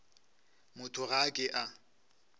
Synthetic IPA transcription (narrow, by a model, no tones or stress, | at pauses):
mʊtʰʊɣakʼɪʔa